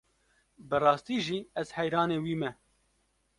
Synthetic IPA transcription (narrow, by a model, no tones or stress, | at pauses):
bɨrɑːst̪iːʒiːɛz̥hɛjɾɑːneːwiːmɛ